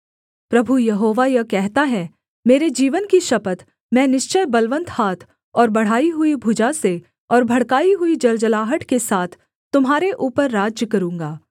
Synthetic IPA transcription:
pɾɐbʱujɐɦoːʋajɐkɛɦt̪aɦɛ | meːɾed͡ʒiːʋənkiʃɐpət̪ | mɛ̃ːnɪʃt͡ʃəjbɐlʋə̃nt̪haːt̪ʰ | ɔːɾbɐɽ̤aːiɦʊibʱʊd͡ʒase | ɔːɾbʱɐɽkaːiɦʊid͡ʒɐld͡ʒəlaːɦəʈkesaːt̪ʰ | t̪ːʊmɦaːɾeʔuːpəɾːaːd͡ʒjkɐɾũːŋ̆ɡaː

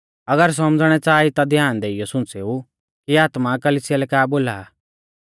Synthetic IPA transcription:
ɐɡəɾs̬ɔmd͡zɽ̃ɛt͡saːit̪ad̪ʱjaːnd̪eːɪjɔsʊ̃nt͡seːu | kiaːt̪makɐliːsɪjalɛkaːboːla̰

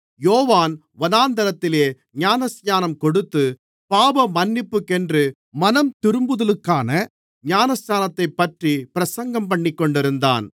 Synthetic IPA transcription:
joːʋaːn | ʋɐnaːnd̪ɐɾɐt̪ːɪleː | ɲaːnɐsjaːnɐmkɔɽɯt̪ːɯ | paːbɐmɐnːɪpːɯkːɛndrɯ | mɐnɐmt̪ɪɾɯmbɯðɐlɯkːaːnɐ | ɲaːnɐsɲaːnɐt̪ːɐɪpːɐʈripɪɾɐsɐŋɡɐmpɐɳːɪkːɔɳɖɪɾɯnd̪a̰ːn

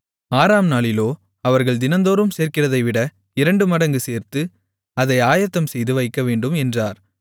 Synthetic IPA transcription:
aːɾaːmnaːɭɪloː | ɐʋɐɾɣɐɭd̪ɪnɐnd̪oːɾɯmseːɾkɪrɐðɐɪʋɪɽɐ | ɪɾɐɳɖɯmɐɽɐŋɡɯseːɾt̪ɯ | ɐðɐɪaːjɐt̪ːɐmsɛjðɯʋɐɪkːɐʋeːɳɖɯmɛndraːɾ

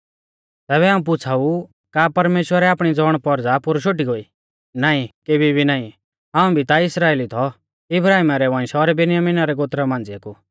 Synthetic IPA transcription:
t̪ɛːβɛɦaːũp̬ʊt͡sʰau | kapɐɾmeːʃwəɾɛaːpɽ̃id͡zɔːɽ̃pɔɾd͡zapʊɾʃoʈ̬iɡoːi | naːĩkeːbʱibʱinaːĩ | ɦãːũbʱit̪aɪsɾaːeːlit̪ʰɔ | ɪbɾaːɦimaɾɛʋãːɪ̃sɔɾɛbɪnɪjamiːnaɾɛɡot̪ɾamãːnd͡ziaku

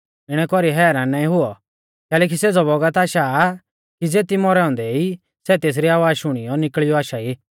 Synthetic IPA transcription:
ɪɽ̃ɛkɔɾiɦɛːɾãnãːĩɦʊɔ | kɛːlɛːk̬iseːd͡zɔbɔɡət̪aːʃa | kid͡zeːt̪imɔɾɛɔ̃ːnd̪ɛi | sɛt̪eːs̬ɾiaːʋaːʃʊɽ̃ɪjɔnɪkɭijɔaːʃaiː

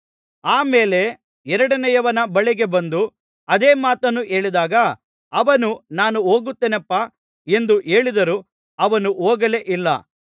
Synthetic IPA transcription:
aːmeːle̞ | ɛɾɐɽɐnɛjɐʋɐnɐbɐɭiɡe̞bɐnd̪u | ɐd̪e̞ːmaːt̪ɐnːuʔe̞ːɭid̪aːɡɐ | ɐʋɐnunaːnuoːɡut̪ːeːnɐpːɐ | e̞nd̪uʔe̞ːɭid̪ɐɾuː | ɐʋɐnuoːɡɐleʔilːɐ̰

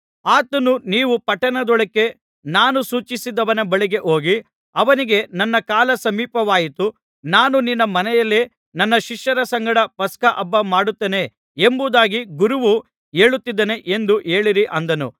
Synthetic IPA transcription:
aːt̪ɐnuniːʋupɐʈɐnɐd̪ɔɭɐkːe̞ | naːnusuːt͡ʃisid̪ɐʋɐnɐbɐɭiɡe̞ʔo̞ːɡi | ɐʋɐniɡe̞nɐnːɐkaːlɐsɐmiːpɐʋaːjit̪u | naːnuninːɐmɐnɛjɐlːe | nɐnːɐʃiʂjɐɾɐsɐŋɡɐɽɐpɐskɐʔɐbːɐmaːɽut̪ːeːne̞ | embud̪aːɡiɡuɾuʋu | e̞ːɭut̪ːid̪ːɐne̞ʔe̞nd̪uʔe̞ːɭiɾiʔɐnd̪ɐnṵ

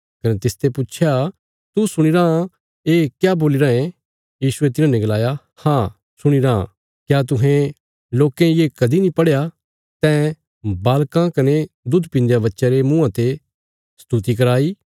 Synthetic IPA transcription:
kɐnet̪ɪst̪epʊt͡ʃʰja | t̪usʊɽ̃iɾaa | eːkjaboːliɾaːẽ | jiːsʊet̪ɪnãnɛ̃ɡɐlaːja | hãː | sʊɽ̃iɾã̰ | kjaːt̪̬ʊɦẽ | loːkẽjeːkɐd̪inĩpɐɽeja | t̪ɛ̃ | baːlkãkɐned̪ʊd̪ʱpɪ̃nd͡ʒjabɐtːʃaɾemũãt̪e | st̪ut̪ik̬ɐɾaːiː

